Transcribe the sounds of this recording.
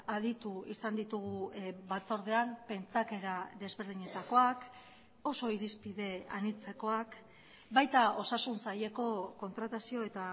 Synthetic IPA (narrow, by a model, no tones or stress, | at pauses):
að̞it̪uisand̪it̪uɣuβat͡so̞ɾð̞eampe̞nt͡sake̞ɾaðe̞zβe̞ɾð̞iɲe̞t̪ako̞ak | o̞so̞iɾispið̞e̞a̰nit͡se̞ko̞ak | bajt̪ao̞sasunsaje̞ko̞ko̞nt̪ɾat̪asioe̞t̪a